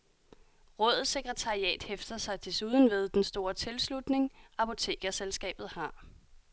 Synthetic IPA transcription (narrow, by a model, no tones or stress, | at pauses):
ʁɔ̽ð̞̩ˠsːe̝ɡ̥ʁɛt͡sʰɑ̈ʁiɛ̰ːd̥hefd̥ɐsɑ̈ɪd̥e̝suːð̞ˠən̩ʋe̝ð̞ˠd̥ensd̥o̝ːɐt͡sʰe̝lslud̥ne̝ŋɑ̈pʰo̝t͡sʰe̝̰ːɡ̥æselsɡ̥ɛ̰ːb̥ð̩ˠhɑ̈